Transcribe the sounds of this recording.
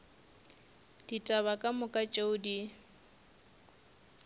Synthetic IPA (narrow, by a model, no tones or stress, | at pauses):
d̥itʼaβakʼamʊkʼat͡ʃʼeʊdi